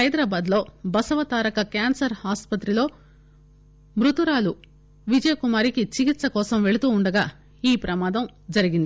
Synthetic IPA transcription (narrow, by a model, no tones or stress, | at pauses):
ɐjd̪ɾaːbaːd̪lo̞ːbɐsɐʋɐt̪aːɾɐkɐkaːnsɐɾhaːspɐt̪ɾilo̞ː | mɾut̪uɾaːlu | ʋid͡ʒɐjɐkumaːɾikit͡ʃikit̪sɐkɔːsɐmʋe̞ɭut̪uːɳɖɐɡaː | iːpɾɐmaːd̪ɐm | d͡ʒɐɾiɡind̪ii